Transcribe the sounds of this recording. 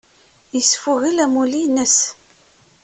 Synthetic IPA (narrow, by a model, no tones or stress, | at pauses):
jəsfʊʁilæmulinəs